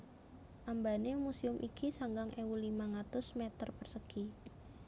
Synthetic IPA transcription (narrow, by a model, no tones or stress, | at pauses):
ʔambanemusiʊmʔikisaŋɡaŋʔewulimaŋat̪ʊsmet̪ərpərsəki